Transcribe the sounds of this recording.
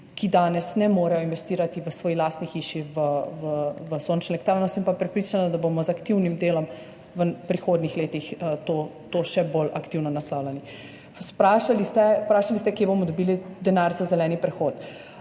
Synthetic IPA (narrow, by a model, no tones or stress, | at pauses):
kid̪aːnɛsnɛmoːɾajɔinʋɛst̪iːɾat̪iʋəsʋɔːjilaːst̪nixiːʃiʋəʋəʋəsoːnt͡ʃnɔlɛkt̪ɾanɔsimpapɾɛpɾiːt͡ʃanɔd̪abomɔzakt̪iwnimd̪eːlɔm | ʋəpɾixoːd̪nixleːt̪ixt̪oːt̪oːʃɛbolakt̪iwnɔnaslaːwlɛni | spɾaːʃalist̪ɛpɾaːʃalist̪ɛkjebomɔd̪ɔbiːlid̪ɛnaːɾzazɛlɛːnipɾɛxoːt̪